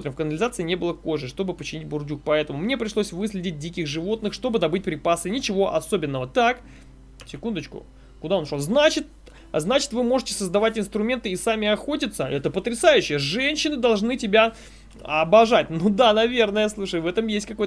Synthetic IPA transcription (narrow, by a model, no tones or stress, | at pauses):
smot̪ɾʲɪmfkənəlʲɪzat̪sɨɪnʲe̞bɨlˠəko̞ʐɨʂt̪o̞bɨpət͡ɕɪnʲitʲbʊrdʲuk̚pɐɛt̪əmʊmnʲe̞pɾʲɪʂlˠosʲvɨslʲɪdʲɪt̚ʲdʲikʲɪxʐɨvo̞t̪nɨxʂt̪o̞bɨd̪ɐbɨtʲpɾʲɪpasɨnʲɪt͡ɕɪvo̞ʔɐso̞bʲɪnːəvət̪ak | sʲɪkund̪ət͡ɕkʊ̰ | kʊd̪aonʂolˠznat͡ɕɪt̪̚ | znat͡ɕɪ̥t̪vɨmo̞ʐɨtʲɪ̥səzd̪ɐvatʲɪnst̪ɾʊmʲe̞nt̪ɨisamʲɪɐxo̞tʲɪt̪səɛt̪əpət̪ɾʲɪsajʉɕːɪjəʐɛnʲɕːɪnɨd̪ɐlˠʐnɨtʲɪbʲa | ɐbɐʐatʲnud̪anɐvʲe̞rnəjəslˠuʂəjvɛt̪əmjesʲtʲkɐko̞j